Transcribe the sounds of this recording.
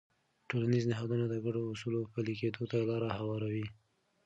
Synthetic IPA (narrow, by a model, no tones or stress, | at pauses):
ʈolaniznɪɦɑd̪unad̪əɡaɖoːsulopəliked̪ot̪alɑɾahawɑɾawi